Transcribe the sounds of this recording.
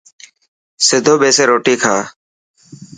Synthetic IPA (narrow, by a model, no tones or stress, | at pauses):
sɪd̪ʱoːɓeːseːɾoːʈiːkʰaː